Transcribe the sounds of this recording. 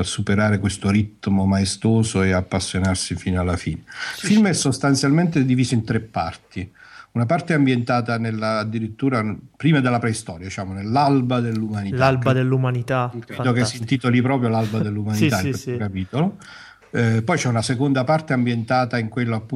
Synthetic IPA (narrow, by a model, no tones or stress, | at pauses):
sːupeɾaːɾekwest̪oɾit̪ːmomaest̪oːzoeapːasːjonarsifiːnoalːafḭːnefilmɛsːost̪ant̪sjalment̪ed̪iviːzoint̪ɾepːa̰rt̪iunapart̪eambjent̪aːt̪anelːaːd̪ːiɾit̪ːuːɾapɾiːmad̪elːapɾɛist̪ɔːɾjad̪it͡ʃaːmonelːalbad̪elːumanit̪albad̪elːumanit̪akɾed̪okesːint̪iːt̪olipɾɔːpɾjolalbad̪elːumanit̪aɛɛokapiːt̪olo | pɔjt͡ʃɛunasekond̪apart̪eambjent̪aːt̪aiŋkwelːoapːu